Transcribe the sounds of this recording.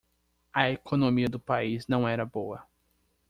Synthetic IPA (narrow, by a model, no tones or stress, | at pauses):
ɐekʰonõmiɐd̪ʊpaiznɐ̃w̃ɛɾɐbowɐ